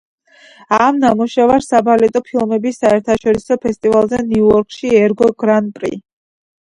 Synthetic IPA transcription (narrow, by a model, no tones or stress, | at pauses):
amnamuʃɛvaɾsabalɛt̪ʼɔpʰilˠmɛbisaɛɾt̪ʰaʃɔɾisɔpʰɛst̪ʼivalˠzɛniuɔɾkʼʃiɛɾɡɔɡɾanpʼɾḭ